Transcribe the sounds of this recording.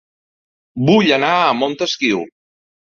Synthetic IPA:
buʎənaəmont̪əskiw

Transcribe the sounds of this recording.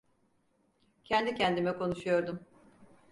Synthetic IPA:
cʰɛnd̪icʰɛnd̪imɛkʰo̞nuʃujo̞ɾd̪um

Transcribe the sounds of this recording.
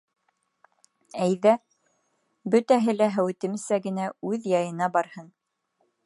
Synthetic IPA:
æjðæ | bɵ̆t̪æɦɘlæɦæwɘ̆t̪ɘ̆msæɡɘ̆næʉðjɑjɤ̆nɑbɑɾhɤn

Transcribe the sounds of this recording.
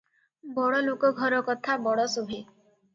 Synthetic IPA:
bɔɭɔlokɔɡʱɔɾɔkɔt̪ʰabɔɽɔsubʱi

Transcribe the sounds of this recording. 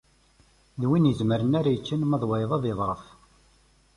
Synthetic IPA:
ðwinjəzməɾənaɾajət͡ʃːənmæðˤwɑjðˤɑðˤeðˤɾˤəf

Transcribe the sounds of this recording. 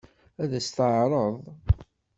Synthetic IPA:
æðæst̪əʕɾˤəðˤ

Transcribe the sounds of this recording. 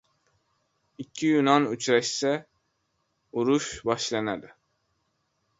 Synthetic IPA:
ikʲʰːijunɑnyt͡ʃʰɾɛʃsɛ | uɾuʃbɑʃlˠɑnɛd̪ɪ

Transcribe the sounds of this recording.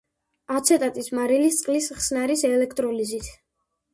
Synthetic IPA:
at̪sʰɛt̪ʼat̪ʼismaɾilist̪sqʼlisχsnaɾisɛlɛkʰt̪ʼɾɔlizit̪ʰ

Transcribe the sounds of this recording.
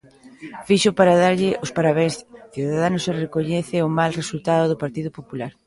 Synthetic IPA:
fiʃʊpaɾaðaɾʎɪʔospaɾaβẽŋsθjuðaðanʊserekoɲɛθɪʊmalresult̪aðoðʊpaɾt̪iðʊpopulaɾ

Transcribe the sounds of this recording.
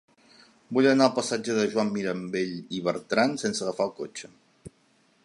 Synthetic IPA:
buʎənalˠpəsad͡ʒəðəʒwamːiɾəmbeʎiβ̞əɾt̪ɾansensəɣəfalˠkot͡ʃə

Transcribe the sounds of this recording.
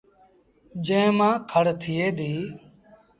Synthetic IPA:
d͡ʒẽːmãːkʰəɽt̪ʰɪjeːd̪iː

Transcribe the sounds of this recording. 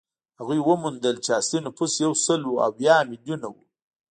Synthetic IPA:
haɣujwəmund̪əlt͡ʃeaslinopʰusjawsəlua̰wjɑːmɪljunawu

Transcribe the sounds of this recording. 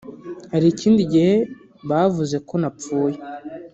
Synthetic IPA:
haɾiːciːndiɟihe̞ | βavuzeko̞nap͡fuːje

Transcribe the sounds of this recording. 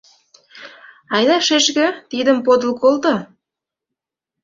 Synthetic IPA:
ɑjd̪ɑʃeʃɣə̆t̪id̪ə̆mpod̪ə̆lkolt̪ɤ

